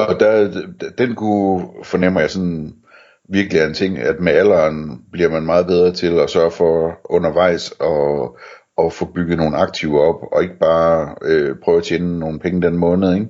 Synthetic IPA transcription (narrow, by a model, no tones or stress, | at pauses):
ɒ̽d̥æ̥d̥enkʰufɒ̽nem̰ɐjɑ̈ɪsɒ̽n | ʋiɐɡ̥əliæent͡sʰe̝ŋ̰æd̥meæl̰ɐnb̥liɐ̰mænmɑ̈ːð̞̩ˠb̥eð̞ˠʁɐt͡sʰe̝lɒsɶɐfɒ̽ɔ̽nɐʋɑ̈ɪ̰sɒ̽ | ʔːfɔ̽b̥yɡ̥ð̩ˠno̝ːn̩ɑ̈ɡ̥̚t͡sʰiʊ̰ɒ̽b̥ɒ̽e̝ɡ̥əb̥ɑ̈ːøpʰʁœːʊæt͡ɕʰeːnəno̝ːn̩pʰeŋəd̥enmɔ̽ːnð̩ˠeɡ̥